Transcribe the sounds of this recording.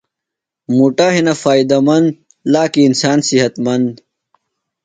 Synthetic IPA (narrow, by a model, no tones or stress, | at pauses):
muʈaɦinɐfaːid̪ɐmɐnd̪ | laːkiːnsaːnsiɦɐt̪mɐnd̪